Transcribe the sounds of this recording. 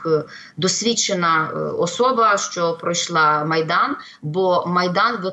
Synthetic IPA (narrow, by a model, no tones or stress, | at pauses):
d̪ɔsʲʋʲit͡ʃːenɐɔsɔbɐʃt͡ʃɔpɾɔjʃlˠɑmɐjd̪ɑn | bɔmɐjd̪ɑnbo